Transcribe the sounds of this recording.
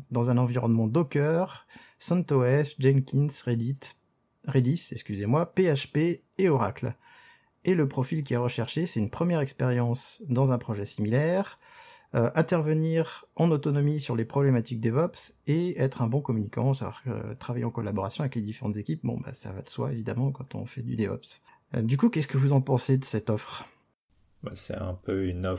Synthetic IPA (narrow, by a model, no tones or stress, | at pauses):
d̪ɑ̃zɛ̃nɑ̃viʁɔnmɑ̃d̪ɔkʲœʁ | sɛ̃t̪oɛsʒɛŋkʲinsʁe | ʁed̪isɛkskʲyzemwapeaʃpeːɔʁa̰kl | eləpχɔfilk̬ʲiaʁəʃɛʁʃesɛt̪ynpχəmjɛʁɛkspeʁjɑ̃sd̪ɑ̃zɛ̃pχɔʒɛsimilɛʁ | øʔɛ̃t̪ɛʁvəniʁɑ̃not̪ɔnɔmisyʁlepχɔblemat̪ik̚d̪evɔpseɛt̪χɛ̃bɔ̃kɔmynikɑ̰̃savwa̰ʁkə̰t̪χavajeɑ̃kɔlabɔʁasjɔ̃avɛkled̪ifeʁɑ̰̃t̪zekʲip̚bɔ̰̃ba̰sa̰va̰d̪əswa̰evid̪a̰mɑ̃kɑ̃t̪ɔ̰̃fɛd̪y̰d̪evɔ̰ps | d̪ykukʲɛskəvuzɑ̃pɑ̃sed̪əsɛt̪ɔfχ | ba̰sɛ̰ɛ̰̃pøynɔf